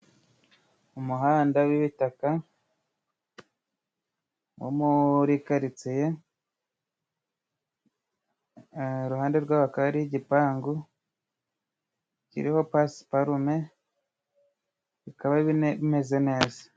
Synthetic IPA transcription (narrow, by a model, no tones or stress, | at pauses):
umuɦaːndawiβitaka | wo̰muɾikaɾit͡seje̞ | ɾuɦaːnde̞ɾɡwaːβakaβaɾijiɟipaːŋɡu | cḭɾiho̞paspaɾume | βikaβaβime̞ze̞ne̞ːza